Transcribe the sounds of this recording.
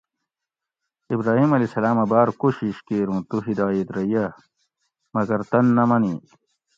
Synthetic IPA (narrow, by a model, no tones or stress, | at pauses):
ibɾaːɦiːmɐliːsɐlaːmɐbaːɾkoɕiɕkeːɾũːt̪uɦid̪aːjet̪ɾɐjɐ | mɐɡɐɾt̪ɐnːɐmɐni